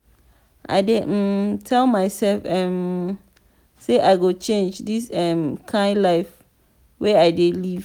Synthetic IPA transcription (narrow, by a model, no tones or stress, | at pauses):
ʔa̰ɪdetʰɛlmaɪsɛlfɛ̃m | seʔaɪɡot͡ʃʰẽnd͡ʒdisɛ̃mkʰãɪdlaɪf | wɛaɪdeliv